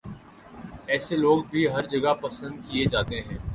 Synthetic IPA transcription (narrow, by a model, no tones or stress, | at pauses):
ɛːseloːɡbʱiɦɐɾd͡ʒɐɡapɐsə̃nd̪̚kied͡ʒaːt̪eɦɛ̃ː